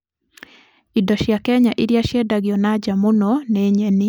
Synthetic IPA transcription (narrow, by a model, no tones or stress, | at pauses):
idɔʃjakɛɲaʔiɾjaʃjɛdaɡɪɔnad͡ʒamonɔneɲeni